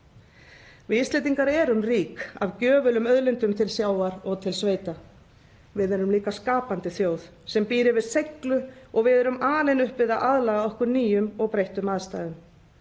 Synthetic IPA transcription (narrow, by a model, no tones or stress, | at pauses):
vɪist̪ejt̪iŋkaɾɛɾʏnriːka̰vcœːvʏlʏmœðlɪnt̪ʏmt̪ʰɪlsjaːwaɾɔɣt̪ʰɪlsveːjt̪a | vɪðɛɾʏmliːkaskaːpant̪ɪθjoːwð | sɛmpiːɾɪvɪðsejklʏɔɣvɪðɛɾʏmaːlɛnʏhpvɪðaʔaðlaɣaɔhkʏɾniːjʏmɔɣpɾejht̪ʏmaðst̪aːðʏm